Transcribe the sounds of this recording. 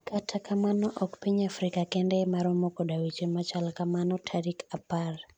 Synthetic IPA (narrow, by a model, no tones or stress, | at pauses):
katʰakamanɔʔɔkpiɲafɾikakɛndɛmaɾɔmɔkɔɗawit͡ʃemat͡ʃalkamanɔtʰaɾikapar